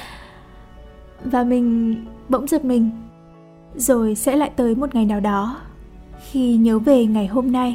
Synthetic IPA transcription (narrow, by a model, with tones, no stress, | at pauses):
vaː˨˩mï˨˩ŋ̟ɓə̰˧˥wŋ͡mzə˨˩t̚mï˨˩ŋ̟ | zo˨˩jsɛ̰˧˥la̰ː˧˨jt̪əː˨˦jmo˨˩t̚ŋa˨˩jnaː˨˩wɗɔ˨˦ | xi˧ɲəː˨˦ve˨˩ŋa˨˩jɦo˧mna˧j